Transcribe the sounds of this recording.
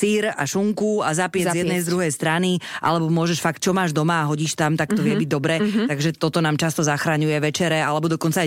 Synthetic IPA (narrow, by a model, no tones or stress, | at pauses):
siːɾa̰ʃuŋkuazapɪɛzzzjɛd̪nɛjzd̪ɾuɦɛjst̪ɾaniʔa̰lɛbɔmʊɔʒɛʃfak̚t̪̚t͡ʃɔmaːʒd̪ɔmaːɦɔɟiːʃt̪amt̪akt̪ɔʋɪɛbiɟd̪ɔbɾɛːt̪aɡʒɛt̪ɔt̪ɔnaːmt͡ʃast̪ɔzaxɾaɲujɛʋɛt͡ʃɛɾɛalɛbɔd̪ɔkɔnt͡sa